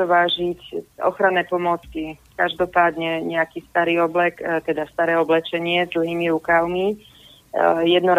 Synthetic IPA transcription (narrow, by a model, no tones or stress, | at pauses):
ɔʋaːʒicɔ̰xɾanɛːpɔmʊɔt͡skikaʒd̪ɔpaːd̪ɲɛɲɛakist̪aɾiːɔblɛkt̪ɛd̪ast̪aɾɛːɔblɛt͡ʃɛɲɪɛzd̪l̩ɦiːmiɾukaʊmi | jɛd̪nɔɾ